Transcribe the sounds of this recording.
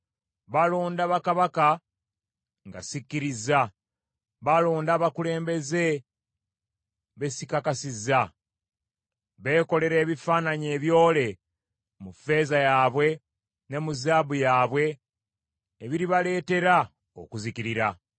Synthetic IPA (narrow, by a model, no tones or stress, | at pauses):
βalo̞ːndaβakaβaka | ŋɡa̰sikːiɾiza | βalo̞ːndaβakule̞ːmbe̞ze̞ | βe̞sikakasiza | βe̞ːko̞le̞ɾe̞ːβifaːnaɲe̞ːβjo̞ːle̞ | mufe̞ːzajaːβwe̞ | ne̞muzaːbujaːβwe̞ | βiɾiβale̞ːte̞ɾa | o̰kuzikiɾiɾa